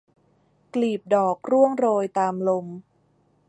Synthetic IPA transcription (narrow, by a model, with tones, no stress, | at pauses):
kliː˨˩p̚dɔː˨˩k̚ɾu˥˩əŋɾoː˧jt̪aː˧mlo˧m